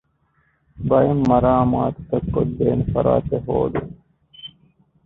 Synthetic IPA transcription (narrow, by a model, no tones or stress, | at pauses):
bɐimːɐɾaːmaːt̪t̪ɐkːod̪eːnfɐɾa̰ːt̪eɦo̰ːd̪u